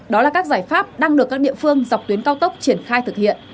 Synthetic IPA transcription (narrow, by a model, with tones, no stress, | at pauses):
ɗɔ˨˦laː˨˩kaː˦˥k̚zaː˧˩jfaː˦˥p̚ɗaː˧ŋɗɨ˨˩əkːaː˦˥k̚ɗḭ˧˨əfɨ˧əŋza˨˩wk͡p̚t̪wi˨˦ənkaː˧wt̪ə˦˥k͡p̚t͡ɕi˧˩ənxaː˧jt̪ʰɨ˨˩k̚hḭ˧˨ən